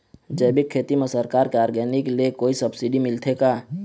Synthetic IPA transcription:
d͡ʒəjbikʰːeːt̪imesəɾkaːɾkeaːɾɡɛːnikeliekoːisəbsiɖimɪlt̪ʰekaː

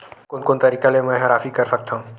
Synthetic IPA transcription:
kʊnkont̪ɐɾiːkalemɛ̃ːɦɐɾaːfikɐɾsɐk̚t̪ʰãũ

